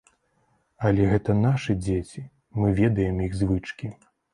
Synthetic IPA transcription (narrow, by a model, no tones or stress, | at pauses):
ɐlʲɛɣɛt̪ɐnaʂɨd͡zʲet͡sʲi | mɨvʲɛd̪ɐjɛmjiɣzvɨt͡ʂkʲi